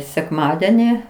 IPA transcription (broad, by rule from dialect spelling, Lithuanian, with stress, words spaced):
sʲɛkˈmɑːdʲɛnʲɪ